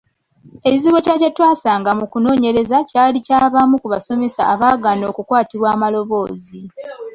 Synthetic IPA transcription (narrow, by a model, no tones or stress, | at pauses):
e̞ciziβocacatːwaːsaːŋɡamukuno̞ːɲe̞ɾe̞zacaːlicaːβamukuβaso̞me̞sa̰ːβaːɡano̞ːkukwaːtiβwaːmalo̞βo̞ːzi